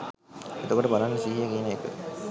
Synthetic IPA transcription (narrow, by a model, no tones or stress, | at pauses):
et̪okoʈəbalanːəsiɦjakiːneekə̰